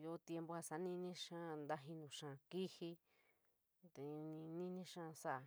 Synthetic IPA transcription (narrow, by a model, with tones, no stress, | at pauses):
jo˧˦˧t̪je˧mbo˧a˧sa˨˦nĩ˦˧nĩ˦ʃã˦nd̪a˦ɦĩ˧nũ˨ʂã˧˨ki˦hi˦ | t̪e˨˧nĩ˧nĩ˦nĩ˦ʃã˦˧sa˦a˨˧